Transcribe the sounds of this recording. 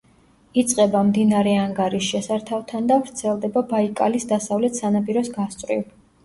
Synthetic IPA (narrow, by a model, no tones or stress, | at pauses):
it̪sʼqʼɛbamd̪inaɾɛaŋɡaɾisʃɛsaɾt̪ʰavt̪ʰand̪avɾt̪sʰɛlˠd̪ɛbabaikʼalisd̪asavlɛt̪ʰsanapʼiɾɔsɡast̪sʼɾḭv